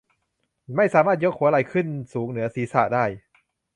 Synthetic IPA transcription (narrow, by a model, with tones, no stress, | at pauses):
ma˥˩jsaː˨˦maː˥˩t̪̚jo˦˥k̚hu˩˦ʔɾa˧jkʰɯ˥˩nsuː˩˦ŋnɯ˩˦ɐsiː˩˦sa̰ː˨˧˩daː˥˩j